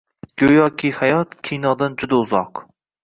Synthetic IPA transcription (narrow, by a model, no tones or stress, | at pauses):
ɡ̥ojɒkʲʰihajɒt̪kʲʰijnɒd̪and͡ʒʊd̪aʊzɒq